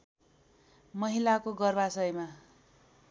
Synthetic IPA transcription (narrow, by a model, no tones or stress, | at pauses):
mʌɦilakoɡʌrbasʌjma